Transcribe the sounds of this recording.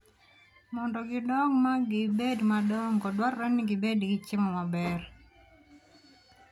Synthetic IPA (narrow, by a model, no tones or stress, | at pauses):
mɔndɔɡɪdɔŋmaɡɪbedmadɔŋkɔdwaɾɾɛnːɪɡɪbedɡɪt͡ʃɪmɔmabɛr